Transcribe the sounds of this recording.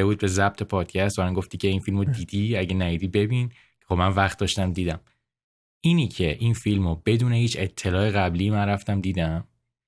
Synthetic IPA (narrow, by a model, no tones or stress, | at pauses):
ebuːd̪̚be̞zæb̥̚t̪ʰe̞pʰɒːd̪̥cʰæst̪bæmænɡo̞ft̪iːcʰe̞infilmod̪iːd̪iæɟenæjiːd̪iːbe̞bin | cʰexobmænvæχt̪̚d̪ɒːʃt̪æmd̪iːd̪æm | iːnicʰe̞ʔinfilmobe̞d̪uːnehiːt͡ʃʰe̞t̪ʰːe̞lɒːeɣæbliːmænɾæft̪æmd̪iːd̪æm